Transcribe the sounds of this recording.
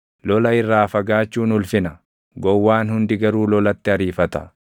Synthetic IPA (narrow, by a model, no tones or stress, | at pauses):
lɔlɐɪrːaːfɐɡaːt͡ʃːuːnʊlfɪnɐ | ɡɔwːaːnhʊnd̪ɪɡɐɾuːlɔlɐt̪ːɪɐɾiːfɐt̪ɐ̥̰